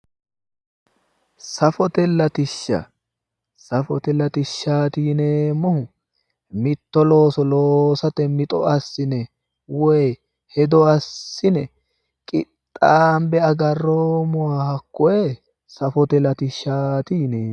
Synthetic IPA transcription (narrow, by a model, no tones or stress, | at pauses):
sɐfɔt̪ɛlːɐt̪ɪʃːɐ̰ | sɐfɔt̪ɛlɐt̪ɪʃːaːt̪iːneːmːɔhʊ | mɪt̪ːɔlo̞ːsɔloːsɐt̪ɛmɪt̪ʼɔ̰ʔɐsːɪnɛ | wɔj | hɛd̪ɔɐsːɪnɛ | kʼɪt̪ʼːaːmbɛɐɡɐrːoːmɔwaːhɐkːɔe | sɐfɔt̪ɛlɐt̪ɪʃːaːt̪iːneː